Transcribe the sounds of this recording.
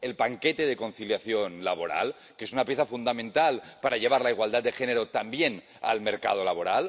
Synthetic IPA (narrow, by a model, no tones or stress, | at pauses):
elpaŋket̪eð̞eko̞nθiljaθjonlaβoɾa̰l | keesunapjeθafund̪amẽnt̪alpaɾaʎeβ̞aɾlaiɣwald̪at̪d̪exeneɾot̪ambjen | a̰lmeɾka̰ð̞olaβ̞oɾal